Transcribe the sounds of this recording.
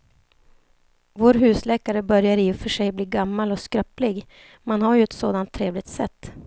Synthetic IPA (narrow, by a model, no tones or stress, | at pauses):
voːɾɦʉ̟ːslɛːkaɾəbœɾjaɾɪːɵfœʂɛjbliːɡamːalɔskɾœplɪɡ | manhaɾjɵɛt̪soːd̪ant̪ʰːɾeːvlɪɡ̚t̪sɛt̪ː